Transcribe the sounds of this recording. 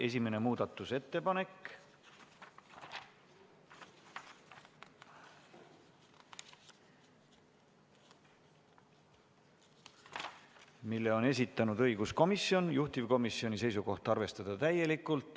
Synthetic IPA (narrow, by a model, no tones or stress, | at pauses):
e̞s̬ʲime̞ne̞muːd̪̥ɑt̪ːˑuse̞t̪ːe̞pɑne̞k | milːe̞o̞ne̞s̬ʲit̪ːˑɑnud̪̥ɤ̞jɡ̥usko̞misjo̞njuht̪ivko̞misːio̞nise̞js̬uko̞ht̪ɑrve̞st̪ɑd̪̥ɑt̪æje̞likːˑult̪ˑ